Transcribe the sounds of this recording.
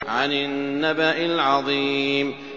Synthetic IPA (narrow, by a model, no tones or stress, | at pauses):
ʕanɪnnnːabaʔɪlʕɑðˤiːm